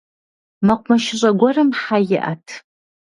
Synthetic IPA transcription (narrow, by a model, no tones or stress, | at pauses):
maqʷʼmaʃɪɕʷʼaɡʷarɨmħajɪʔa̰tʰ